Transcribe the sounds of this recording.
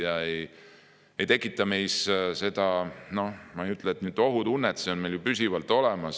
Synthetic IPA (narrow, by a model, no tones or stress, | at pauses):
jɑej | e̞jt̪ekˑːit̪ːˑɑmejsse̞d̪̥ɑno̞hmɑejyt̪ːˑleːt̪nyːd̪o̞ɦud̪unːɛt̪se̞o̞nme̞jljupysʲivɑlt̪ˑo̞lɛmɑs